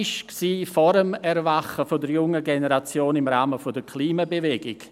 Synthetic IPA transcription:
ɪʃksiːfɔɾəmɛɾvaχəfodəɾjʊŋəɡenəɾat͡sjoːnɪmɾaːməfodəɾkʰliːmabevɛɡɪk

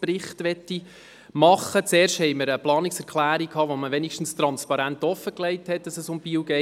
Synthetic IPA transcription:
pɾɪχtʋɛtːi | mɑχːət͡seːrʃthɛɪməɾəplɑːniksɛɾkχlæːɾikʰɑːʋoməʋɛnikʃtn̩st̪rɑnspɑɾæntɔfːəklɛɪthɛt̚d̥ɑsəsʊmbiwɡɛ

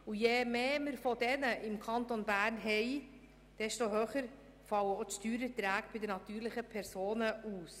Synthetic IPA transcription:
ujemeːməɾfodɛnəʔɪmkʰɑntonbæːɾnɦɛɪ | d̥ɛstoɦøːχəɾ | fɑləotʃtyːɾətɾæːkb̥ɪdənɑtyːɾlɪχəpʰɛɾsoːnəuːs

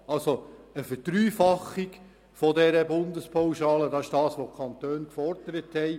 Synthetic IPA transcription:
ɑlsoəfətɾyːfɑχiɡ | fɔdɛɾəbʊndəspʰawʃɑːlədɑɪʃd̥ɑːsʋokʰɑnt̪øːnkfɔrd̥əɾəthɛj

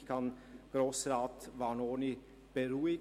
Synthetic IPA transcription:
kʰɑnɡ̥ɾoːsʁaːtvanoːni | b̥əɾuːɪ

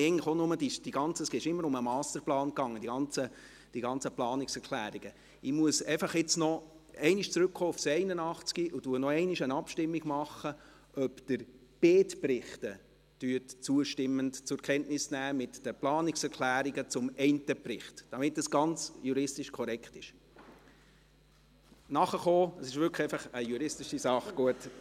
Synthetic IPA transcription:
ɛɪɡntləχonʊmədiʃd̥iɡɑnt͡səsɡ̥eɪʃɪmːəɾʊməmɑːstəɾplɑːnkɑŋːədiɡɑnt͡sə | d̥iɡɑnt͡səplɑːnɪksɛɾkʰlæːɾiɡ̥ə | ɪmuəsɛɪfɑχɪt͡snɔ | ɛɪnɪʃt͡sɾʉkχoːʊfsɛɪnənɑχt͡skiʔʊtuənɔɛɪnɪʃənɑpʃtɪmːiɡ̥mɑχːə | ʔœpd̥əɾb̥eːtpɾɪχtə | d̥yətt͡suəʃtɪmːəntt͡sʊɾkʰɛntnɪsnæːmɪtd̥əplɑːnɪksɛɾkʰlæːɾiɡət͡sʊmɛɪntəprɪχtd̥ɑmɪtːɑsɡ̥ɑnt͡sjuɾɪstɪʃkʰɔɾɛkχtɪʃ | nɑχəχoːəsɪʃʋʏɾkʰχɛɪfɑχəjuɾɪstɪʃisɑχɡ̥uət

